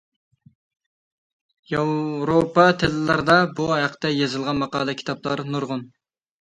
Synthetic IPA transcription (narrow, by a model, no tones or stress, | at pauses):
jɑwɾopɑt̪ʰɪlɪlæɾd̪ɑbuɦæqʰt̪ɛjezɨlˠʁɑnmɑqɑ̰ːlˠɛkʲʰi̥t̪ʰɑplˠɑ̰ɾnuɾʁʊn